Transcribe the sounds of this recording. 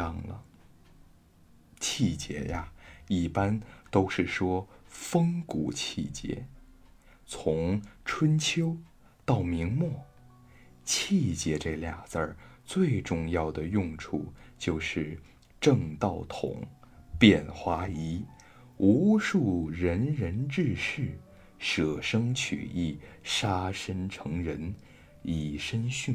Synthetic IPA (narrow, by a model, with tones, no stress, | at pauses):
ɑ˥˧˩ŋlə̰˩ | t͡ɕʰi˥˩t͡ɕjɛ̰˧˥ja˧i˥˩pa˥nt̪o˥ʊʂɻ̩˥˩ʂwɔ˥fɤ˥ŋku˨˩˦t͡ɕʰi˥˩t͡ɕjɛ̰˧˥ | t͡sʰʊ˧˥ŋʈ͡ʂʰwə˥nt͡ɕʰjo˥ʊ | t̪ɑ˥˩ʊmi˧˥ŋmwɔ˥˩ | t͡ɕʰi˥˩t͡ɕjɛ˧˥ʈ͡ʂɤ˥˧lja˨˩ŋt͡sə˞˧˩t͡swe˥˧ɪʈ͡ʂʊ˥˧ŋjɑ˥˩ʊd̪ə˩jʊ˥˧ŋʈ͡ʂʰu˥˩t͡ɕjo˥˧ʊʂɻ̩˥˩ | ʈ͡ʂɤ˥˧ŋt̪ɑ˥˩ʊt̪ʰʊ̰˨˩˦ŋ | pjɛ˥˩nxwa˧˥i˧˥ | u˧˥ʂu˥˩ɻə˧˥nɻə˧˥nʈ͡ʂɻ̩˥˧ʂɻ̩˥˩ | ʂɤ˨˩ʂɤ˥ŋt͡ɕʰy̰˨˩i˥˩ʂa˥ʂə˥nʈ͡ʂʰɤ˧˥ŋɻə˧˥n | i˨˩ʂə˥nɕy˥˩n